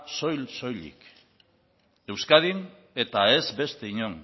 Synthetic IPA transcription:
so̞jlso̞jlḭk | e̞wskað̞in | e̞t̪ae̞zbe̞st̪e̞iɲo̞n

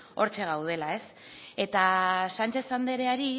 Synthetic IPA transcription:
o̞ɾt͡ʃe̞ɣ̞awð̞e̞lae̞s | e̞t̪asant͡ʃe̞sand̪e̞ɾe̞aɾi

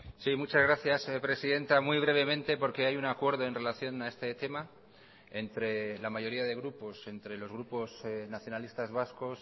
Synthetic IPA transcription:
simut͡ʃazɾaθjaspɾe̞siðe̞nt̪amwiβ̞ɾe̞β̞e̞mẽnt̪e̞po̞ɾke̞ajunakwe̞ɾð̞oe̞nre̞laθjo̞nae̞st̪e̞t̪e̞ma | e̞nt̪ɾe̞lamaʝo̞ɾiaðe̞ɣ̞ɾupo̞se̞nt̪ɾe̞lo̞zɣ̞ɾupo̞snaθjo̞nalist̪azβasko̞s

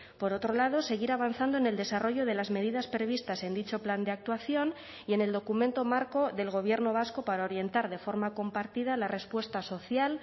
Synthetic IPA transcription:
po̞ɾo̞t̪ɾo̞lað̞o̞se̞ɣ̞iɾaβ̞anθand̪oene̞ld̪e̞saro̞ʝo̞ð̞e̞lazme̞ðiðaspɾe̞β̞ist̪ase̞nd̪it͡ʃo̞pland̪eak̚t̪waθjo̞n | ie̞ne̞ld̪o̞kumẽnt̪o̞maɾko̞ðe̞lɣ̞o̞β̞je̞ɾno̞β̞asko̞paɾaoɾje̞nt̪aɾð̞e̞fo̞ɾmako̞mpaɾt̪ið̞alare̞spwe̞st̪aso̞θjal

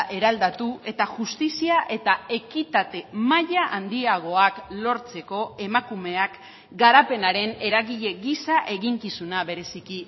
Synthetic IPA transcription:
ʔe̞ɾald̪at̪ue̞t̪aʝust̪isiaʔe̞t̪ae̞kit̪at̪e̞maʎaʔand̪iaɣ̞o̞aklo̞ɾt͡se̞ko̞e̞makume̞ak | ɡaɾape̞naɾe̞ne̞ɾaɣiʎe̞ɣisaʔe̞ɣiŋkisunaβe̞ɾe̞siki

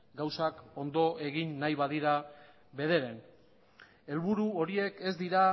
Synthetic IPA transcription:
ɡawsako̞nd̪o̞ʔe̞ɣinːajβaðiɾa | βe̞ð̞e̞ɾe̞n | e̞lβuɾuo̞ɾie̞ke̞zd̪iɾa

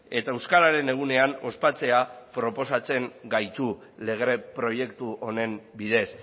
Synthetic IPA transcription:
e̞t̪aewskaɾaɾe̞ne̞ɣ̞une̞ano̞spat͡se̞apɾo̞po̞sat͡se̞ŋɡajt̪u | le̞ɣ̞ɾepɾo̞je̞kt̪uʔo̞ne̞mbiðe̞s

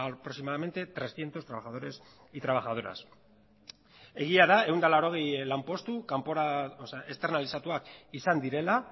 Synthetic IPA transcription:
pɾo̞ksimaðame̞nt̪e̞t̪ɾe̞sθje̞nt̪o̞st̪ɾaβaxaðo̞ɾe̞s | it̪ɾaβ̞axað̞o̞ɾa̰s | e̞ɣ̞iaðae̞wnd̪alaɾo̞ɣ̞ejlampo̞st̪ukampo̞ɾaʔest̪e̞ɾnalisat̪uakisand̪iɾe̞la

